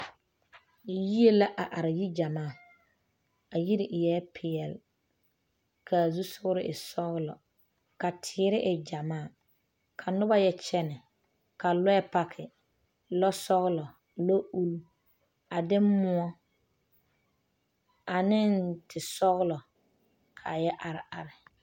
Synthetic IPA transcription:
ji˦e˦la˦ʔa˨ʔa˨ɾɪ˨ji˦d͡ʒa˨maː˦˨ | a˨ji˦ɾɪ˨ʔɪ˨jɛː˦pʰɪ˨jɛ˨l | kʰa˨zu˦sʊ˦ɣʊ˦ɾɪ˦ʔɪ˨sɔ˦ɣlɔ˨ | ka˨tʰɪː˨˦ɾɪ˦ʔɪ˨d͡ʒa˨maː˦˨ | kʰa˨nʊ˦ba˦jɛ˦t͡ʃɛ˦nɪ˨ | ka˨lɛ˦pa˦kʰɪ˨ | lɔ˦sɔ˦ɣlɔ˨ | lo˦ʔu˦lu˦ | a˨dɪ˦mʊ˦ɔ˦ | a˨nɪ˦ntɪ˨sɔ˦ɣlɔ˨ | kʰa˨jɛ˦ʔa˨ɾɪ˨a˨ɾɪ˨

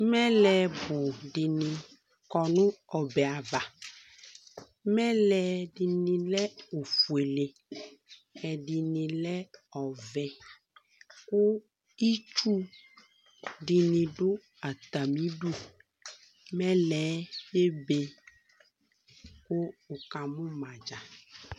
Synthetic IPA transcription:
mɛ̃˦lɛ˨bo˨ɖi˨nĩ˨ | kɔ˨nũ˦ɔ˨bɛ˨a˨va˨ | mɛ̃˦lɛ˨ɖi˨nĩ˨lɛ˦o˨fu˨e˨le˨ | ɛ˨ɖi˨nĩ˨lɛ˦ɔ˨vɛ˨ | kʊ˦ | i˦t͡ʃu˦ | ɖi˨nĩ˨ɖʊ˦ | a˨t̪a˨mĩ˨˦ɖu˦ | mɛ̃˦lɛ˨˦je˦be˦ | ko˦o˨ka˨mũ˦mã˨d͡ʒa˨

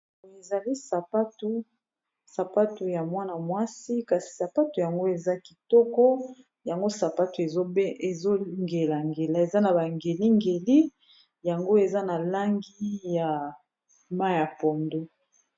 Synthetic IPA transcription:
e˨za˨li˦sa˨pa˦tu˦ | sa˨pa˦tu˨ja˨mwa˦na˨mwa˦si˦ka˨si̥˨sa˨pa˦tu˨ja˨ŋɡo˦e˨za˦ki˨tɔ˦kɔ˦ | ja˨ŋɡo˦sa˨pa˦tu˨e˨o˦e˨zo˦ŋɡe˨la˨ŋɡe˨la˨e˨za˦na˨ba˨ŋɡe˨li˦ŋɡe˨li˦ | ja˨ŋɡo˦e˨za˦na˨la˦ŋɡi˦ja˨ | ma˦ja˨pɔ˨ndo˦

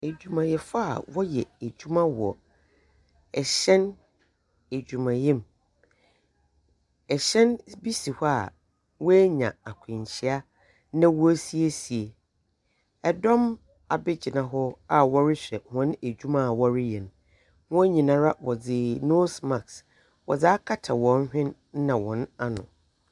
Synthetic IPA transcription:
e˨d͡ʑᶣu˨mã˨jɛ˨fa˦a̰˨wɔ˦jɛ˨e˨d͡ʑᶣu˦mã˦wɔ̰˨ | ɛ˨ɕɛ̃˦n | e˨d͡ʑᶣu˨mã˨jɛ̃˦m | ɛ˨ɕɛ̃˦nbi˦si˨hɔ˦a̰˨ | wɔ˦ɛ˦ɲã̰˨a˨kʷʰɪ̃˨ɲ˨t͡ɕʰi˦a˦ | nã˦wɔ˦si˦e˦si˨e˨ | ɛ˨dɔ̃˦m | a˨bɪ˦d͡ʑɪ˨nã˨ɦɔ˦a˨wɔ˦ɾɪ˦ɕᶣɛ˨hɔ̃˨˦n˦e˨d͡ʑᶣu˦mã˦˨wɔ˦ɾɪ˦jɛ˨n˨ | hʊ̃˦ɲĩ˨nã˨ɾa˦wɔ˨d͡zɪ˨no˦sma˨ks | wɔ˨d͡zaː˦kʰa˦tʰa˨wɔ̃˨n˦hᶣɪ̃˦n˦ | nã˨wɔ̃˨na˦nʊ̰̃˨

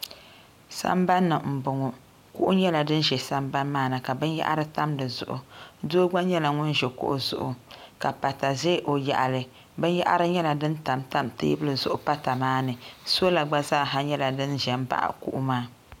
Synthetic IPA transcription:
sa̰˦mba˦nːɨ˨m̩˨bʊ˨ŋɔ˨ | ku˦ʔʊ˦ɲɛ˦la˨dɨ˦n˦ʒɛ˨sa˦mba˦nmaː˦nɨ˨ka˨bɨ˦nja̰˦ʔa̰˦ɾɨ˦ta˦mdɨ˨zʊ̰˦˨ʔʊ̰˨do˦ɡ͡ba˦ɲɛ˦la˨ŋʊ˦nʒɛ˨kʊ̰˦ʔʊ˦zʊ̰˦ʔʊ˨ka˨pa˨ta˨zeː˦ʔo˨ja̰˨ʔa˨lɨ˨ | bɨ˦n˦ja˦ʔa̰˦ɾɨ˦ɲɛ˦la˨dɨ˦nta˨mta˦mtḛː˦bɨ˦lɨ˨zʊ˦ʔʊ˨pa˦ta˨maː˦nɨ˨so˦la˨ɡ͡ba˦zaː˦˨ɦa˦ɲɛ˦la˨dɨ˦nʒɛ˨m˦ba̰˦˨ʔkṵ˦ʔu˦maː˦

